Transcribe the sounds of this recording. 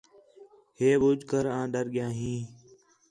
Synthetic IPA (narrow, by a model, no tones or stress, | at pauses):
heːɓʊd͡ʒkəɾãːɗəɾɠɪjãːɦĩː